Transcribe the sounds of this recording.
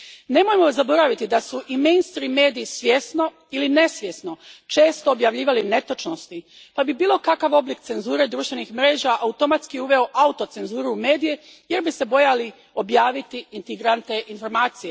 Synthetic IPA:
ne̞mojemo̞zabo̞ɾaʋit̪id̪asuʔimejnst̪ɾimːe̞ːd̪ijːsʋʲjesno̞ | iline̞sʋjesno̞t͡ʃeːst̪oːbjaʋʎiːʋaline̞t̪ot͡ʃno̞st̪i | pabibiːlˠo̞kakaʋo̞blikt̪se̞nzuːɾe̞d̪ɾuːʃt̪ʋe̞nixmɾe̞ːʒaʔaut̪o̞mat̪skijeuʋe̞o̞ʔaut̪o̞t̪se̞nzuːɾume̞ːd̪ije̞ | je̞ɾbise̞bo̞jali | o̞bjaːʋit̪iint̪eɡɾant̪eʔinfo̞ɾmaːt̪sije

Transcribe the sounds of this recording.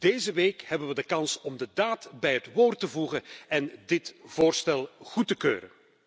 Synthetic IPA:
d̥eːzəʋeːkhɛbənʋədəkɑnsɔmdədaːtbɛjətʋoːrtəvuɣənɛndɪtv̥oːrstɛlˠɣutəkø̰ːɾən

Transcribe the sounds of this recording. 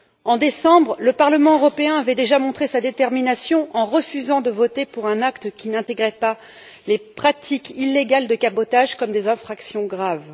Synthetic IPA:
ɑ̃d̪esɑ̃bʁləpaʁləmɑ̃øʁɔpeɛ̃avɛd̪eʒamɔ̃t̪χesad̪et̪ɛʁminasjɔ̃ʔɑ̃ʁəfyzɑ̃d̪əvɔt̪epuʁɛ̃nakt̪kʲinɛ̃t̪eɡʁɛpa | lepχat̪ʰikilːeɡald̪əkabɔt̪aʒkɔmd̪ezɛ̃fχaksjɔ̃ɡʁav

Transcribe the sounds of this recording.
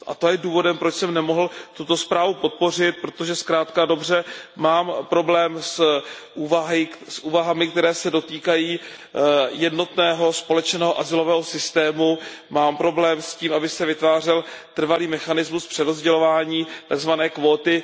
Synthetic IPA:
ʔa̰t̪ojɛduːvo̞dɛmpɾo̞t͡ʃsɛmnɛmo̞ɦl̩t̪ut̪o̞spɾaːvupo̞t̪̚po̞r̝ɪt̪̚pɾot̪o̞ʒɛskɾaːt̪kado̞br̝ɛmaːmpɾo̞blɛːmsʔuːvaɦɪsʔuːvaɦamɪkt̪ɛɾɛːsɛdo̞t̪iːkajiː | jɛdno̞t̪nɛːɦo̞spo̞lɛt͡ʃnɛːɦoʔazɪlo̞vɛːɦo̞sɪst̪ɛːmumaːmpɾo̞blɛːmsciːmʔabɪsɛvɪt̪vaːr̝ɛl | t̪r̩valiːmɛxanɪzmuspr̥ɛɾozɟɛlo̞vaːɲiːt̪aɡzvanɛːkvoːt̪ɪ

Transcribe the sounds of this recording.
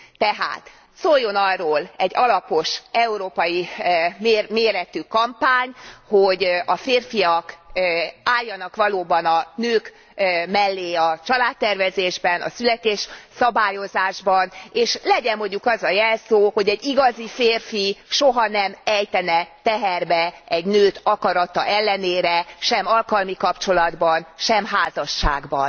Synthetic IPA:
t̪ɛɦa̰ːt̪ | soːjːo̞nɒrːoːlɛɟːɒlɒpo̞ʃɛuɾoːpɒjimeːrmeːɾɛt̪ykɒmpaːɲho̞ɟɒfeːrfijɒk | aːjːɒnɒkʋɒloːbɒnɒnøːk | mɛlːeːɒt͡ʃɒlaːt̪ːɛrvɛzeːʒbɛnɒ̰sylɛt̪eːʃsɒbaːjo̞zaːʒbɒneːʃlɛɟɛmːo̞ɲɟukɒzɒjɛlsoːho̞ɟɛɟːiɡɒzifeːrfiʃoɦɒn̪ɛmɛjt̪ɛnɛt̪ɛɦɛrbɛɛɟnøːt̪ɒkɒɾɒt̪ɒʔɛlːɛneːɾɛʃɛmɒlkɒlmikɒpt͡ʃo̞lɒd̪bɒnʃɛmɦaːzɒʃːa̰ːɡbɒ̰n

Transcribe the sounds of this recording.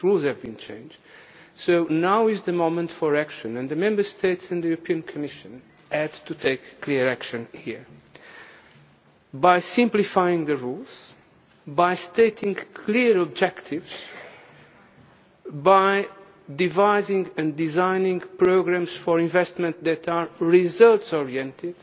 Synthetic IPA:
ɹulˠzhɨvbĩnt͡ʃʰḛ̃ɪ̃nd͡ʒd̥soʊnawɪzðəmõmə̃ntfɔɹækʃɨ̃nɨ̃nðɨmɛ̃mbə˞st̪ʰeɪtsɨ̃nd̪əjuɾɨpʰiɨ̃nkʰɨmɪʃɨ̃n | ædt̪ʰut̪ʰeɪkʰːliɹækʃɨ̃nhḭɹ | bajsɪ̃mplifajĩŋðɨɹulˠz̥ | bajst̪eɪt̪ʰĩŋkʰliɾɔbd͡ʒɛkt̪ʰɪvz̥ | baj | d̪ivaɪzĩŋɨ̃nd̪izãɪnĩŋpɹoɡɾæ̃msfɔɹĩɱvɛst̪mə̃nt̪ðɨt̪ʰaɹɹizʌlˠtsɔɹiɛ̃nt̪ɪd̪̥

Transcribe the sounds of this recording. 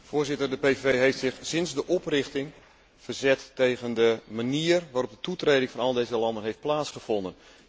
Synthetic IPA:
fʊːzɪtərdəpevejɦejftsɪxsɪnzdəʔɔprɪxtɪŋ | v̥ərzɛtːejɣəndəmaniːərʋaːrɔp̚dətutrejdɪŋfɑnɔlˠdejzəlɑndənɦejft̚plaːtsχəv̥ɔndən

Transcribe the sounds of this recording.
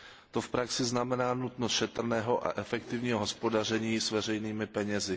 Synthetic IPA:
t̪o̞fpɾaksɪznamɛnaːnut̪nost̪ʃɛt̪r̩nɛːɦo̞ʔa̰ʔɛfɛkt̪ɪvɲiːɦoɦo̞spo̞dar̝ɛɲiːsvɛr̝ɛjniːmɪpɛɲɛzɪ

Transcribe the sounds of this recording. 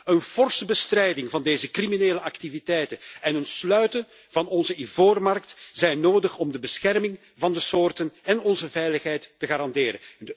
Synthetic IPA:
ənv̥ɔrsbəstrɛjdɪŋvɑndeːzəkrimineːləʔɑktivitɛjtənɛnənslœɥtən | v̥ɑnɔnzəivoːrmɑrktz̥ɛjnːoːdəxɔmdəbəsxɛrmɪŋ | vɑndəsoːrtənɛnɔnzəvɛjləxɦɛjtːəɣaːɾɑndeːɾə̰ndə

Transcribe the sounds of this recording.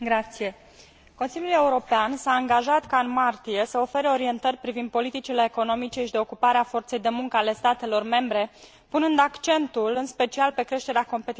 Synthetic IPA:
ɡɾat̪sije̞ | ko̞nsiljule̞uɾo̞peansaːŋɡaʒat̪kaɨnmart̪ije̞səo̞fe̞ɾeo̞ɾie̞nt̪ərʲpɾivind̪̚po̞lit̪it͡ʃile̞ːko̞no̞mit͡ʃe̞ʃid̪e̞o̞kupaɾeafo̞rt̪se̞jd̪e̞muŋkəale̞st̪at̪e̞lo̞rme̞mbɾe̞ | punɨnd̪akt͡ʃe̞nt̪ulɨnspe̞t͡ʃialpe̞kɾe̞ʃt̪e̞ɾeako̞mpe̞t̪

